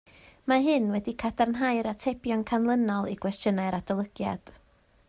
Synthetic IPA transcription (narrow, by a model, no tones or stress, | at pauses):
maɦɨnwɛdikʰadarnɦaɨɾatʰɛbjɔnkʰanlˠənɔlˠikʰwɛstjənaɨɾadɔlˠəɡ̥ja̰d̥